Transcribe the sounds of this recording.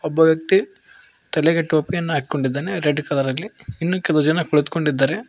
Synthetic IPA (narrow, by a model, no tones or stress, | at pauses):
ɔbːɐʋjɐk̚t̪i | t̪ɐlɛɡeʈoːpijɐnːɐaːɡikoɳɖid̪ːaːneɾeɖkɐlɐɾɐlːiinːukɛlod͡ʒɐnɐkoɭut̪u̥ko̞ɳɖid̪ːaːɾe